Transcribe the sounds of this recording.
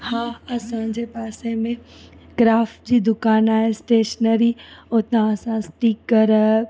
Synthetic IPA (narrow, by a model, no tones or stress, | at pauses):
hãːɐsãd͡ʑeːpaːsemẽɡɾaːfʈ̚d͡ʑiːd̪ʊkaːnaːɦesʈeːʃnəɾiot̪ãɐsãsʈiːkːɐɾ